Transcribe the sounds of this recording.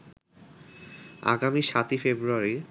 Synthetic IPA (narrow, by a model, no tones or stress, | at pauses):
a̰ɡamiʃat̪ifebɾuaɾi